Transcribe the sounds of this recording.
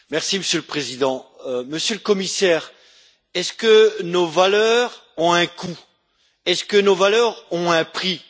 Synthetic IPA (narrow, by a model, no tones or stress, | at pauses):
mɛʁsiməsjøləpχezid̪ɑ̃məsjøləkɔmisɛːʁ | ɛskənovalœʁɔ̃ɛ̃kʰu | ɛskənovalœʁɔ̃ɛ̃pχi